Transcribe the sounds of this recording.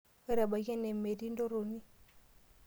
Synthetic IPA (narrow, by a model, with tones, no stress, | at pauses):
e˦ɾa˨ba˨ɣe˦ne˨me˨di˦ndo˦ɾo˨ni˦